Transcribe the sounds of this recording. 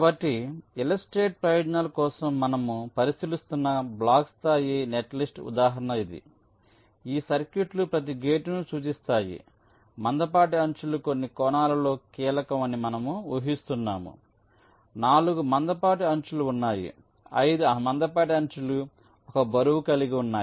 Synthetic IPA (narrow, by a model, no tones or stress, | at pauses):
kɐbɐʈːiilɐsʈɾe̞ːʈ̚pɾɐjɐɖnɐlɐkɔːsɐmːɐnɐmupɐɾisilist̪unːɐblaːkst̪aːjineʈlisʈṵd̪aːɦɐɾɐɳɐid̪ḭ | iːsɐɾkjuʈlupɾɐt̪̬iɡeːʈnusuːt͡ʃist̪aːjḭ | mɐnd̪ɐp̬aːʈ̬iɐɲt͡ʃulukonːikɔːnaːlɐlo̞ːkiːlɐkɐmɐnimɐnɐmuuɦist̪unːaːmṵ | naːluɡumɐnd̪ɐpaːʈ̬iɐɲt͡ʃuluːnːaːjḭ | ɐ̰jd̪umɐnd̪ɐpaːʈ̬iɐɲt͡ʃulu | ɔkɐbɐɾuwukɐliɡiunːaː